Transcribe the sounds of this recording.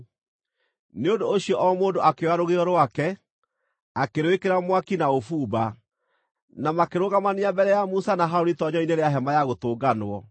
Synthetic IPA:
neondoːɕijɔʔɔmoːndoʔakewaɾoɣeɾɔɾwakɛ | akeɾwekeɾamwakinaofuːba | namakeɾoɣamaniambɛɾɛjamusanaɦaoɾitɔɲɔineɾeaɦɛmajaɣotoːɡanwɔ

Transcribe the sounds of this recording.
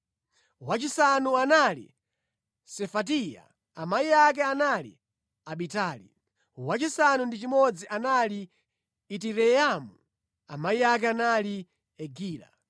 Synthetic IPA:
wat͡ʃisanuanalḭ | sɛfat̬ija̰ | amaiak̬ɛanalḭ | aɓitaːlḭ | wat͡ʃisanundit͡ʃimɔd͡ziʔanaliː | t̬iɾɛamu | amaiak̬ɛanali | ɛɡiːla̰

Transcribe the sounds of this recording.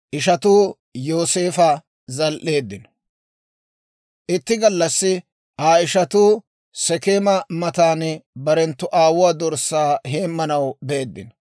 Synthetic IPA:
ʔɪʃɐt̪uː | jo̞ːse̞ːfɐ | zɐlʔe̞ːd̪ːɪn | ʔɪt̪ːɪɡɐlːɐsːɪ | ʔaːɪʃɐt̪uː | sɛkeːmɐmɐt̪aːnbɐɾɛnt̪ːʊʔaːwʊwaːd̪ɔɾsːaːhe̞ːmːɐnɐwbe̞ːd̪ːɪ̰n

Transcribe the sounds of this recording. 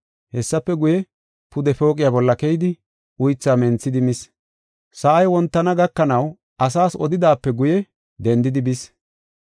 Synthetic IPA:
hɛsːɐpːɛɡʊjɛ | pʊd̪ɛfo̞ːkʼɪjabɔlːɐkɛjɪd̪ɪ | ʔʊjt͡sːaːmɛnt͡sːɪd̪ɪmɪs | sɐʔɐjwɔnt̪ːɐnɐɡɐkːɐnɐw | ʔɐs̬aːsɔd̪ɪd̪aːpːɛɡʊjɛ | d̪ɛnd̪ɪd̪ɪbɪs

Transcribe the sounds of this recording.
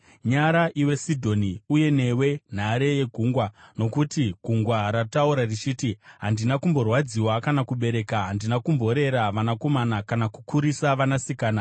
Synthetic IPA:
ɲaɾaʔiwe̞sidʱo̞niuje̞ne̞we̞n̤aɾe̞je̞ɡʱuŋɡwano̞kutiɡʱuŋɡwaɾatauɾarit͡ʃiːtiɦandinakumbo̞rwad͡ziwakanakuɓe̞ɾe̞kaɦandinakumbo̞ɾe̞ɾaʋanako̞manakanakukʰuɾisaʋanasikaːna

